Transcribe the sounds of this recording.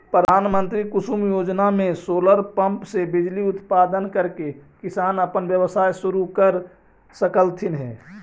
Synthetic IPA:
pɾəd̪ʱaːnmə̃nt̪ɾikʊsumjoːd͡ʒnamẽsoːləɾpə̃mpsebɪd͡ʒliʊt̪paːd̪ənkəɾkekɪsaːnəpənwjəwəsaːjsʊɾukəɾ | səkəlt̪ʰɪnɦɛ̰ː

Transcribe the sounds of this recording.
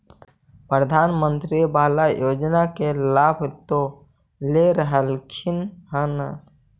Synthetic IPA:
pɾəd̪ʱaːnmənt̪ɾibaːlajod͡ʒnakelabʱt̪o | leɾəɦəlkʰinɦənə

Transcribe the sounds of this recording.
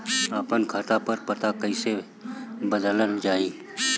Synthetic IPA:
aːpənkʰaːt̪apəɾpət̪akəɪse | bəd̪ələld͡ʒaːiː

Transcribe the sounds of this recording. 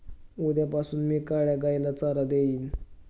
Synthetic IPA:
ud̪japasuːnmiːkaɭjaɡajlat͡saɾad̪eiːn

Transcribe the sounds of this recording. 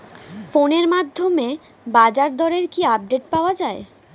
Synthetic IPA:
foneɾmad̪ʱːome | bad͡ʑaɾd̪ʱɔɾeɾkiab̚ɖeʈ̚paoad͡ʑae

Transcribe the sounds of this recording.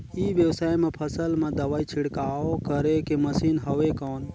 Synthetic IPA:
ibjəwsaːjmepʰəsəlmed̪əʋaːit͡ʃʰiɽkaːokəɾekeməsiːnɦəʋekɔːn

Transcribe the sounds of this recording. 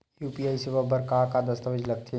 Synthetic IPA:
juːpiaːiseʋəbʱəɾkaːkad̪ɐst̪əʋəd͡ʒlɐɡ̚t̪ʰe

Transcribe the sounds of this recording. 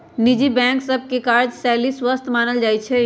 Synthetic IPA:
nɪd͡ʒibɛ̃ːŋksɐb̚kekaːɾd͡ʒsɛːliswəst̪ʰmaːnəld͡ʒaːit͡ʃʰɛ

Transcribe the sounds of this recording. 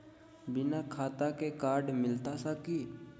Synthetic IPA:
bɪnakʰaːt̪akekaːɾɖmɪlt̪asaki

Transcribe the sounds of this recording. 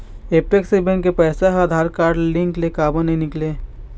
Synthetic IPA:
eːpeksibẽɳʈkepɛːsaɦad̪ʱaːɾkaːɾɖlɪ̃ŋklekaːbə̃nɐɦĩnɪkleː

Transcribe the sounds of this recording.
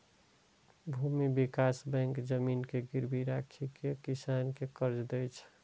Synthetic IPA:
bʱumibikasbɛ̃ŋkd͡ʒəminkeɡiɾbiɾakʰikekisankekəɾd͡ʒd̪ɛt͡ʃʰ

